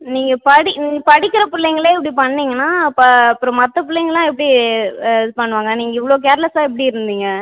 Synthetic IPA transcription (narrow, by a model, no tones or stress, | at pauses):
niːŋɡɐpɐɽɪniːŋɡɐpɐɽɪkːɪɾɐpɪɭːɛŋɡɐɭeːɛpːɐɽipɐɳːiːŋɡɐnːaːpːpːɯɾɔ̃mɐt̪ːɐpɪlːɐɛŋɡɐɭlãːɛpːɐɽi | pɐɳːɯʋaːŋɡɐniːŋɡɐɪʋːɐɭoːk̬eːɾɐlɛsaːɛpːɐɽiɪɾɯnd̪iːŋɡɐ